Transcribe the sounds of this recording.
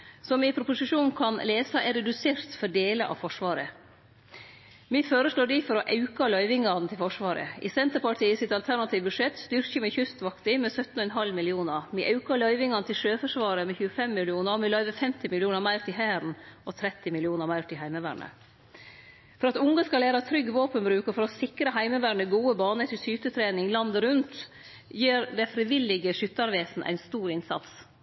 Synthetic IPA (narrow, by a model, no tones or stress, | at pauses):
sɔmɪpʰɾʊpʊsɪʂuːnkʰɑnleːsɑʔɛɾɛd̪ʉseːɾt̪fɔɖeːləʔɑ̰fɔʂʋɑːɾə | miføːɾəsɭoːɖifɔɾɔʔɑʉkɑlœʏʋɪŋɑnət̪ʰɪlfɔʂʋɑːɾə̰ɪ̰sɛnt̪əɾpɑʈʰiːəsɪt̪ɑlt̪ʰæɾɳɑt̪ʰiːʋbʉʂɛt̪st̪ʏɾçəmɪçʉst̪ʋɑkt̪ɪmɛsœt̪ːnɔɛnɦɑlmɪlɪuːnəɾmɪʔɑʉkəɭœʏʋɪŋɑnət̪ʰɪlʂøːfœʂʋɑːɾəmɛçʉːəfɛmːɪlɪuːnəɔmɪlœʏʋəfɛmt̪ɪmɪlɪuːnəɾmæɪɾt̪ɪɦæːɾn̩ʔɔt̪ʰɾɛt̪ːɪmɪlɪuːnəɾmæɪɾt̪ɪɦæɪməʋæːɳə̰ | fɔɾɑt̪ʊŋɡɑskɑlæːɾɑt̪ʰɾʏɡʋoːpənbɾʉːkəfɔɾɔsɪkɾəɦæɪməʋæːɳəɡuːəbɑːnəʈ̪ʰɪlsyːt̪ət̪ʰɾeːnɪŋlɑnd̪əɾʉnt̪ | jiːɾd̪ɛfɾɪʋɪlɪɡəʂʏt̪ːɑɾʋeːsn̩ʔæ̰ɪnst̪uːɾɪnsɑ̰t̪s